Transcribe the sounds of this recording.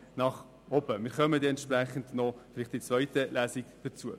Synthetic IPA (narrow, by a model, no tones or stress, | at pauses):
nɑχ | ɔbəmɪːɾχœməd̪eːɛntʃpræχən̩dnɔfɪliχt̚d̥it͡svœʏtəlæːsikd̥ət͡suə